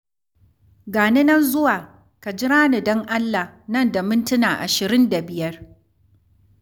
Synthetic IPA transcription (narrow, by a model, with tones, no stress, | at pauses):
ɡaː˨nɪ˦nɐ˦nzʊ˦waː˨ | ka˨d͡ʒɪ˦ɾaː˦ni˨dɔ˦ŋʔa˦lːa˨hnɐ˦˨nda˨mʊ˦ntʊ˦naː˨ʔa̰˨ʃɪ˨ɾɪ˦nda˨bɪ˨jɐ˦r